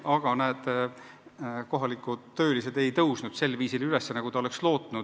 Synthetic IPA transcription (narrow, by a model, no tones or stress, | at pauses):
ɑɡ̥ɑnæːd̪̥ | ko̞ɦɑlikːˑuø̞ːlis̬e̞d̪e̞jt̪ɤwsnud̪̥se̞lːviːsilylesːenɑɡ̥ut̪ɑo̞le̞kslo̞ːt̪ˑnud̪̥